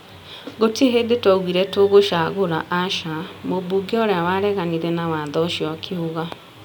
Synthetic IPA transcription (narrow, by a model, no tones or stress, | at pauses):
ɣotieɦedetwɔɣwiɾɛtoɣoʃaɣoɾa̰ʔaʃamobuɡeɔɾeawaɾɛɣaniɾɛnawaːðɔʃiɔkʰeoɣa